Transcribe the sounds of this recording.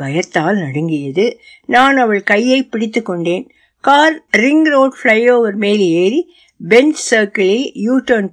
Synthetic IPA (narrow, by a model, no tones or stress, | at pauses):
bɐjɐt̪ːaːlnɐɽɐŋɡɪjɐðɯ | naːnɐʋɐɭkɐjːɐɪpːɪɽɪt̪ːɯkːɔɳɖeːn | kaːɾɾɪŋɡɾoːʈfɭɐɪoːʋɐɾmeːleːɾi | bɛnsɐːɾkɪlijuːʈːɐn